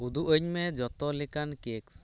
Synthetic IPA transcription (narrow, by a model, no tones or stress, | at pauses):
ud̪uʔəɲmɛd͡ʒɔt̪ɔlɛkankeks